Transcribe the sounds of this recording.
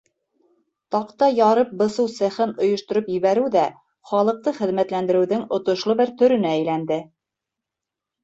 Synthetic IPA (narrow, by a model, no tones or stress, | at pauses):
t̪ɑqt̪ɑjɑɾɤp̚bɤ̆sɤwsæ̆χɘnŏjŏʃt̪ŏɾopjɘ̆βæɾɘwðæ | χɑlˠɤ̆q̚t̪ɤχɘ̆ðmæt̪lænd̪ɘ̆ɾɘ̆wðɘŋŏt̪ŏʃlˠɤbɘɾt̪ɵ̆ɾɵ̆næːjlænd̪ɘ